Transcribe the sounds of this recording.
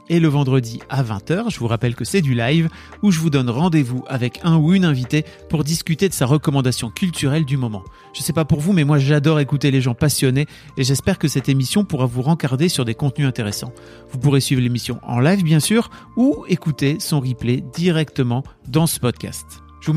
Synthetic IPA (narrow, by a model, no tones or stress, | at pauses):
eləvɑ̃d̪ʁəd̪iavɛ̰̃t̪œʁʒəvuʁapɛlkəsɛd̪ylajv | uʒəvud̪ɔnʁɑ̃d̪evuʔavɛkʰɛ̃uynɛ̃vit̪epuʁd̪iskʲyt̪ed̪əsaʁəkɔmɑ̃d̪asjɔ̃kʲylt̪ʰyʁɛld̪ymɔmɑ̰̃ | ʒ̥əsɛpapuʁvumɛmwaʒad̪ɔʁekut̪eleʒɑ̃pasjɔneː | ʒɛspɛʁkəsɛt̪emisjɔ̃puʁavuʁɑ̃kaʁd̪esyʁd̪ekɔ̃t̪̚nyɛ̃t̪eʁesɑ̰̃ | vupuʁesɥivʁlemisjɔ̃ʔɑ̰̃lajvbjɛ̃syːʁ | uekut̪esɔ̃ʁipled̪iʁɛkt̪əmɑ̃d̪ɑ̃sə̥pɔd̪̚kʲa̰st̪ | ʒəvu